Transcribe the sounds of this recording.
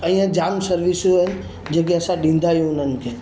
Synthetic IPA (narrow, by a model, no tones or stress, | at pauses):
əĩjãd͡ʒamsəɾʋisn | d͡ʒeɡjasaɗĩnd̪ʱajũnənke